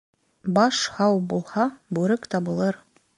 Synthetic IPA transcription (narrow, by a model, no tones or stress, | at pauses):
bɑʃhɑwbulˠhɑbʉɾɘkt̪ɑbɤ̆lˠɤɾ